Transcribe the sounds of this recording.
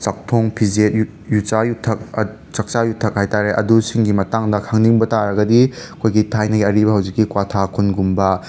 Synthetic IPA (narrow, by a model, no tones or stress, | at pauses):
t͡ʃak̚tʰoŋpʰizet̚j | jut͡ʃajutʰɐk̚ | t͡ʃɐk̚t͡ʃajutʰːɐk̚hajtaɾeʔɐ̰dusiŋɡimɐtaŋdɐkʰaŋniŋbɐtaɾɐɡɐdiɐkʰojɡitʰajnɐɡiɐɾibɐɦɐwd͡ʒikːikwatʰakʰunɡumbɐ